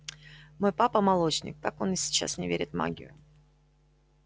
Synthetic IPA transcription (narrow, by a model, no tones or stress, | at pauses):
mo̞jpapəmɐlˠo̞t͡ɕnʲɪ̰k̚t̪ako̞nɪsʲɪ̥t͡ɕa̰snʲɪvʲeɾʲɪt̪ma̰ɡʲɪ̰jʊ